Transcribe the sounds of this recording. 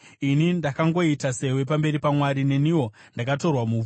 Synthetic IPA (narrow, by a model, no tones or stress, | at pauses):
inindakaŋɡo̞itase̞we̞p̬ambe̞ɾipamwaɾine̞niwo̞ndakato̞rwamu